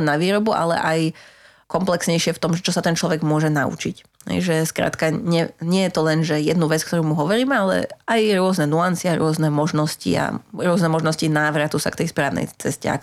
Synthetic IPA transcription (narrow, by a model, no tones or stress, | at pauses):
nːaʋiːɾɔbuʔa̰lɛ̰ʔaj | kɔmplɛksɲɛjʃɪɛft̪ɔmʒɛt͡ʃɔsat̪ɛnt͡ʃlɔʋɛɡmʊɔʒɛnaṵt͡ʃic | ɦɛ̰jʒɛskɾa̰ːt̪kaɲɪɛɲɪɛjɛt̪ɔlɛnʒɛjɛd̪nuʋɛt͡skt̪ɔɾuːmuɦɔʋɔɾiːmɛalɛ̰ajɾʊɔznɛnuansɪaɾʊɔznɛmɔʒnɔscḭa̰ɾʊɔznɛmɔʒnɔscinaːʋɾat̪usa̰kt̪ɛjspɾaːʋnɛ̰jt͡sɛscɛ̰a̰k